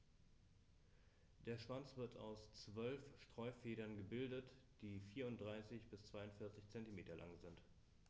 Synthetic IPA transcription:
d̥eːɐʃv̥ant͡sv̥ɪɐtʰa̰ʊst͡sv̥œlfʃtʁ̥ɔʏfeːɾɐnɡəbɪldət | d̥iːfiːɐʊnt̚d̥ʁaɪsɪçb̥ɪst͡sv̥aɪʊntfɪɐt͡sɪçt͡sɛntimeːtɐlʔa̰ŋzɪnt

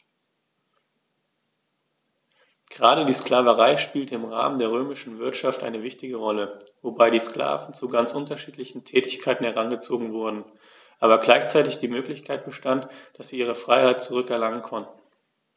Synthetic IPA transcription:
ɡ̥əʁaːɾədiːsklaːvəʁaɪʃpiːltəɪmʁa̰ːməndeːɐʁøːmɪʃn̩vɪɐtʃaftʔa̰ɪnəvɪçtɪɡəʁɔlə | vobaɪdiːskla̰ːvn̩t͡suɡant͡sʔʊntɐʃiːtlɪçn̩tʰɛːtɪçkʰaɪtn̩hɛʁanɡət͡soːɡŋ̩vʊɐdn̩ | ʔaːbɐɡlaɪçt͡saɪtɪçd̥iːmøːklɪçkʰaɪt̚b̥əʃtantd̥asz̥iːʔiːʁ̞əfʁ̥aɪhaɪt̚t͡suʁʏkɛɐlaŋənkʰɔntn̩

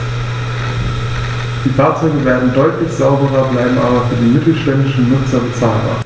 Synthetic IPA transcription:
d̥iːfaːɐt͡sɔʏɡəveːɐdn̩dɔʏtlɪçz̥aʊbəʁɐblaɪbm̩ʔaːbɐfyːɐdeːnmɪtl̩ʃtɛndɪʃn̩nʊt͡sɐbət͡saːlba̰ːɐ

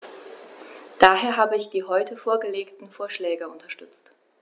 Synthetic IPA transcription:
d̥aːɦeːɐɦaːbəɪçd̥iːɦɔʏtʰəfoːɐɡəleːktn̩foːɐʃlɛːɡəʊntʰɐʃtʏt͡st

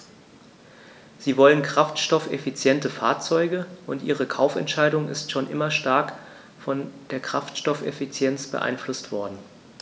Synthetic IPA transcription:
z̥iːvɔlənkʁ̥aftʃtɔfefit͡sjɛntəfa̰ːɐt͡sɔʏɡəʔʊntʔḭːʁ̞əkʰaʊfɛ̰ntʃaɪdʊŋɪ̰stʃoːnʔɪmɐʃtaɐk | fɔnd̥eːɐkʁ̥a̰ftʃtɔfḛfit͡sjɛnt͡sb̥ə̰ʔa̰ɪnflʊstv̥ɔɐdn̩

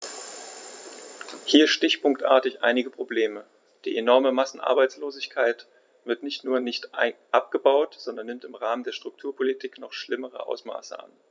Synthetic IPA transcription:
hiːɐsʃtɪçpʊŋk̚tʔa̰ɐtɪçʔa̰ɪnɪɡəpʁ̥obleːmə | d̥ḭːʔenɔɐməmasn̩ʔa̰ɐbaɪt͡sloːzɪçkʰaɪt | v̥ɪɐtnɪçtnuːɐnɪçtʔaʔap̚ɡ̥əbaʊtz̥ɔndɐnːɪmtɪmʁaːməndeːɐʃtʁ̥ʊk̚tʰuːɐpʰolitʰiːknɔχʃlɪməʁ̞ə̰ʔa̰ʊsma̰ːsə̰ʔa̰n

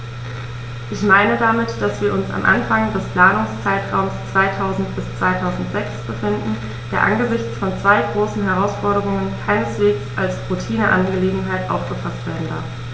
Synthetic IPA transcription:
ʔɪçmaɪnədamɪtd̥asv̥iːɐʔʊnsa̰mʔa̰nfaŋdɛspʰl̥aːnʊŋst͡saɪtʁ̥aʊmst͡sv̥aɪtʰaʊzn̩tb̥ɪst͡sv̥aɪtʰaʊzn̩tz̥ɛksb̥əfɪndn̩ | d̥eːɐʔa̰nɡəzɪçt͡sfɔnt͡sv̥aɪɡʁoːsn̩ɦɛʁ̞aʊsfɔɐɾəʁʊŋənkʰaɪnəsv̥eːksʔalsʁutʰiːnəʔa̰nɡɡəleːɡŋ̩ɦaɪtʔa̰ʊfɡ̥əfastv̥eːɐdn̩da̰ɐf

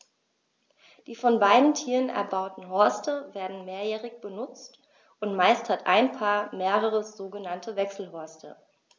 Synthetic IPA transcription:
d̥iːfɔnbaɪdn̩tʰiːʁənʔɛ̰ɐbaʊtn̩ɦɔɐstəveːɐdn̩meːɐjɛːʁɪçb̥ənʊt͡st | ʔʊntmaɪsthatʔa̰ɪnpʰaːɐmeːʁ̞əʁ̞əz̥oːɡənantʰəvɛksl̩ɦɔɐstʰə̰

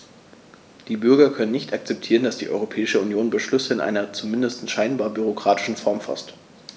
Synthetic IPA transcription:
d̥iːbʏɐɡɐkʰœnənːɪçtak̚t͡sɛp̚tʰiːʁndasd̥iːʔɔ̰ʏʁopʰɛːɪʃəunjoːnbəʃlʏsəɪnʔa̰ɪnɐt͡sumɪndəstn̩sʃaɪnbaːɐbyʁ̞okʁ̥aːtɪ̥ʃn̩fɔɐmfɔ̰st

